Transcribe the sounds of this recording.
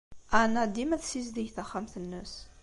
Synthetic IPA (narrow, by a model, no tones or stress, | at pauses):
anæd̪ːimæθsizd̪iʝθæχːamθənːəs